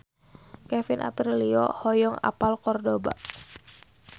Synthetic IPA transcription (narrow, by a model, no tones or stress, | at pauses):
kɛfinʔa̰piriliɔ̰hɔjɔŋa̰palkɔrdoba̰